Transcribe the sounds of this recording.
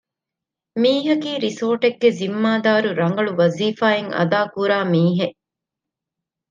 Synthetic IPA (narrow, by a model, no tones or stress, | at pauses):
miːɦɐkiːɾisoːʈeɡːezimːaːd̪aːɾuɾɐŋ̆ɡɐɭuʋɐziːfaːeŋɐ̰d̪aːkuɾaːmiːɦe